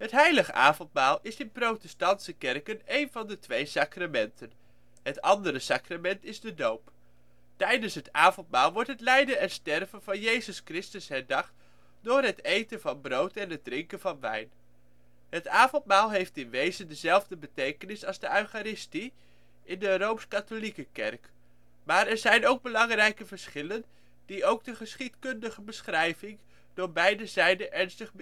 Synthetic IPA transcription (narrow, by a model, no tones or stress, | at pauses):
ɦətɦɛjləχəʔa̰ːvɔntmaːlˠɪsɪnprowtɛstɑntsəkɛrkənejnvɑndətʋejsaːkramɛntən | ɦətɑndərəsaːkramɛntɪzdədowp | tɛjdənsɦətaːvɔntmaːlˠʋɔɹtɦətlɛjdənɛnstɛrvənvɑnjejzəskrɪstəsɦɛɹdɑχt | dʊːɹɦətejtənvɑnbrowtɛnɦəd̚drɪŋkənvɑnʋɛ̰jn | ɦətaːvɔntmaːlˠɦejftɪnʋejzəndəzɛlˠvdəbətejkənɪsɑlˠzdəœɥχaɾɪsti | ɪndərowmskatolikəkɛ̰rk | maːɹɛɹzɛjnowɡ̚bəlɑŋrɛjkəvəɹsχɪlən | d̥iowɡdəχəsχitkɵndəχəbəsχrɛjvɪŋ | d̥ʊːɹbɛjdəzɛjdəʔɛɹnstəχb